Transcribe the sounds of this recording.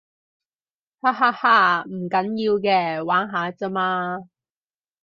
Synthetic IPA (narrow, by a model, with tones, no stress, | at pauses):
haː˧˥haː˧haː˧m̩˨˩kɐ˨˥njiː˧wkɛː˧waː˨˥nɦaː˨˧t͡sɐ˥maː˧